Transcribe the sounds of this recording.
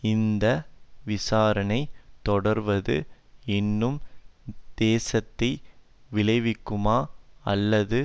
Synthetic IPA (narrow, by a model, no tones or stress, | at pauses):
ɪnd̪ɐʋɪsaːɾɐnɐɪt̪ːɔɽɐɾʋɐðɯ̰ | ɛnːɯm | d̪̥eːsɐt̪ːɐɪ | ʋɪlɐɪʋɪkːɯmaːɐ̰lːɐðɯ